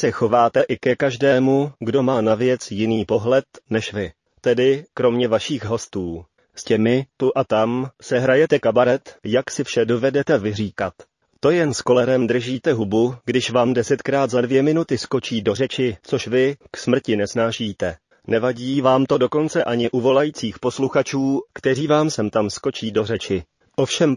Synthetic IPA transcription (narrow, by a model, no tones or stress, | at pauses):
sɛxo̞vaːt̪ɛʔɪkɛkaʒdɛːmuɡdo̞maːnavjɛt͡sjɪniːpo̞ɦlɛt̪nɛʃvɪ | t̪ɛdɪkɾo̞mɲɛvaʃiːxɦo̞st̪uː | scɛmɪt̪uʔat̪amsɛɦɾajɛt̪ɛkabaɾɛt̪jaksɪfʃɛdo̞vɛdɛt̪ɛvɪriːkat̪ː | o̞jɛnsko̞lɛɾɛmd̪r̩ʒiːt̪ɛɦubuɡdɪʃvaːmdɛsɛt̪kɾaːt̪zadvjɛmɪnut̪ɪsko̞t͡ʃiːdo̞r̝ɛt͡ʃɪt͡so̞ʃvɪksmr̩cɪnɛsnaːʃiːt̪ɛ | nɛvaɟiːvaːmt̪o̞do̞ko̞nt͡sɛʔaɲɪʔuvo̞lajiːt͡siːxpo̞sluxat͡ʃuːkt̪ɛriːvaːmsɛmt̪amskot͡ʃiːdo̞r̝ɛt͡ʃɪ | ʔofʃɛm